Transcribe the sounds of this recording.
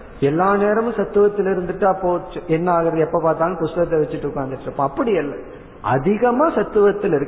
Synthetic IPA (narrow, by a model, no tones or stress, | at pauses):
ɛlːaːneːɾɐmʊ̃sɐt̪ːɯʋɐt̪ːɪlɪɾɯnd̪ɯʈːɯɐpːoːɛnːɐaːɣɐɾɐðɛpːoːpaːɾt̪aːŋɡɐpʊst̪ɐɣɐt̪ːɛʋɛt͡ʃːɪʈːɯʊkːaːnd̪ɪʈːɪɾɯpːõːɐpːɐɽɪɛlːɐ | ʔɐ̰ðɪɣɐmaːsɐt̪ːɯʋɐt̪ːɪlɪɾɯ